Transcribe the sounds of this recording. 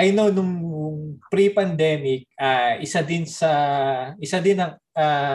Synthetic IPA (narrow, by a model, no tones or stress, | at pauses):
ʔɐjno̞nʊŋ | pɾipɐnd̪ɛːmɪk̚ʔaʔɪsad̪ɪnsɐʔɪsad̪ɪnɐŋ | a